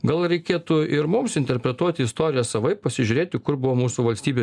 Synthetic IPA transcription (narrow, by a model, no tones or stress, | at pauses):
ɡɐlˠɾʲɛɪkʲeːt̪ʊɪɾmʊmsɪnʲt̪ʲɛɾʲpʲɾʲɛt̪uɔt̪ʲɪɪst̪oːɾʲɪjɛsɐʋɐɪpɐsʲɪʒʲʊɾʲeːt̪ʲɪkʊɾbʊʋoːmuːsuʋɐlʲsʲt̪ʲiːbʲeː